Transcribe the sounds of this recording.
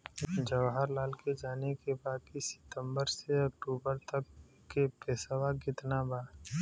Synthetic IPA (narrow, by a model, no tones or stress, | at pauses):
d͡ʒəʋɦəɾlaːlked͡ʒaːnekebaːkisɪ̥t̪ə̃mbəɾseɐk̚ʈuːbəɾt̪əkː | epeːsəwaɡɪt̪nabaː